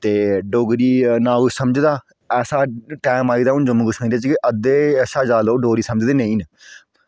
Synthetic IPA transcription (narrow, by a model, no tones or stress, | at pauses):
t̪eːɖoɡɾiːnaːʊsəməd͡ʒd̪aː | ɛːsaːʈɛːmaːiːd̪aːʊnd͡ʒʊmɡʊʃə̃ĩd̪eaːt͡ʃkiʔəd̪eːɛːsaːd͡ʒaːloːɖoːɾiːsəməd͡ʒd̪eːnẽĩːn